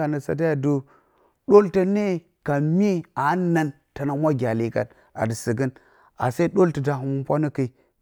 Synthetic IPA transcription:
a˨nə˨sa̰˨t̬a˦ja˨du˦ | ɗo˦lta˦ne˦ | ka˨mi˦a˨˦na˨n | ta˨na˨mʷ˦a˦ɡʲa˨li˨ka̰˨t̚ | a̰˨də˨si˨ɡə˦n | a̰˨sa˦i˦ɗo˦ltə˨da˨ɦu˨mu˦mpʷa˦nə˦ki˨i˨

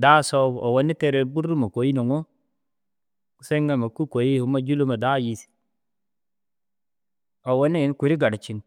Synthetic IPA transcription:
da˦so˦bo̰˨wo˦ni˦te˦ɾe˨bu˦ɾu˦ma˨ko˨ji˦no˨ŋo˦˨ | se˦ŋɡa˦ma˨ku˦ko˨ji˦hu˨ma˦d͡ʒu˦lu˦ma˨da˦ji˨si̥˨ | o˨wo˦ne˦˨n˦ku˨ɾi˦ɡa˨ɾa˨t͡ʃi˨n

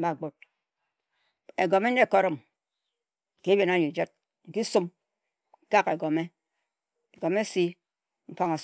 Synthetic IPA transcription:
ba˨ɡ͡bo˦t̚ | e˨ɡo˨me˦n̩˦e˦˨ko˨ɾɔ˦˨m˨ | ki˦bje˨na˦ɲi˨d͡ʒe˦t̚ | ŋ̩˨˦ki˦su˦m˨ | ka˦ke˨ɡo˨me˦ | e˨ɡo˨me˦si˦ | ŋ͡m̩˦fa˦ŋo˨s

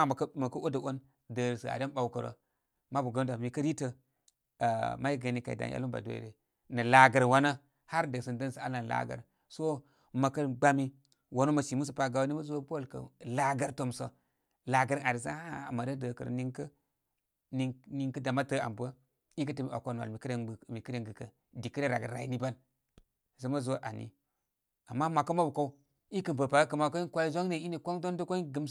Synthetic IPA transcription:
kmɐ˨kə˦ʔo˦də˨ʔo˦n | də˨ɾsə˨a̰˨de˦n˦ɓa˨wu˦kə˨ɾo̰˨ | ma˦bu˨ɡə˦n˦da˨mi˨kɐ˦ɾi˦tə˨ | ma˦i˦ɡə˨ni˨ka˨i˨da̰˨n˦a̰˦lu˦mba̰˨do̰˨j̰ɾe˨ | nɐ˨la˨ɡə˨ɾwa˦nə˦ | ha˦ɾdə˨sə˨ndə˦nsə˨a˦la˨la̰˦ɡə̰˨ɾ | so˦ | ma˨kə˦ɡ͡ba˦mi˦ | wa˨no˦ma˨ʃi˨mu˦s̬ə˨pa˨ɡa˨wni˦ma˦zu˦wa˦po˦˨lkə̰˨la˦ɡɐ˨ɾto˦mso˨ | la˨ɡə˨ɾa˨ɾi˨s̬a˦a̰˨ma˨də˦də˨kə̰˨ɾ̰ni˦ŋkə˦ | ni˦ni˦ŋkə˦da˨ma˦tə˦a̰˨mbə˦ | i˦k̬ə˦tə˨mi˦˨ʔa̰˨kʷo˦n˨a̰˨lmi˨kə˦ɾe˦˨mi˨kə˦ɾe˦ŋɡə˨kə̰˨ | di˨kə˦ɾe˦ɾa˨ɡə̰˨ɾa̰˨ji˨ni˦ba˦n | sə˦ma˦zwo˦ʔa̰˨nḭ˦ | a˨mːa˦ma˨ka˦ma˦bu˨ko˦u˦ | i˦kə˨npə˨pa˨a˦kə˨ma˨˦ko˦kʷa˦i˦zo˦ŋne˨i˦ni˨kʷo˦ŋdo˦ndo˦ko˦i˦ɡə˦m

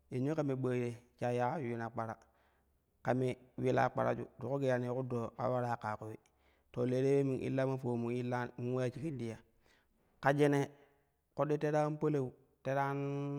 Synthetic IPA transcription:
e˨ɲo˦ka˨me˨ɓə˨ɾe˨t͡ʃa˨ja˦u˦wi˦na˨k͡pa˨ɾa˨ | ka˨me˨wi˦la̰˨k͡pa̰˨ɾa̰˦d͡ʒṵ˦du˨ku˦ɡe˦˨ja˨ni˨˦ku˦do˨ka̰˨wa˦ɾa˦˨ka˨ko˦wi˦ | to˨le˨˦ɾe˦we˦mi˨ŋʔḭ˦lːa˦ma˦fo˨mu˨i˦lːa˦mi˦we˦a˦t͡ʃi˦ki˦ndi˨ja˨ | ka˨d͡ʒe˦ne˨ | ko˦ɗi˦te˦ɾa˦n˦po˦le˦u˨ | te˦ɾa˦n

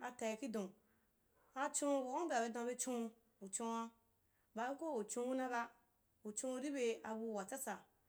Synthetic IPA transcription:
a˧ta˨i˨ki˦dõ˨ | a˧t͡ʃõ˦o˨ko˦ba˨be˧dã˨˧be˦t͡ʃõ˦˧ | u˨t͡ʃõ˧wa˧ | ba˨be˦ko˦u˨t͡ʃõ˧˦wu˦na˦ba˦ | u˨t͡ʃõ˧u˧˦ɾi˦be˧a˨wu˧˨wa˨t͡sa˦sa˨

